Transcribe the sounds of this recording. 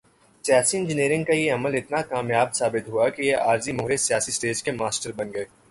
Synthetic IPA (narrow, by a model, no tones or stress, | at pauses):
sijaːsiɪ̃nd͡ʒɪniːɾɪ̃ŋɡkajeɐməlɪt̪nakaːmjaːbsaːbɪt̪ɦuakijeaːɾzimʊɦɾesijaːsisʈeːskemaːsʈəɾbɐnɡɐeː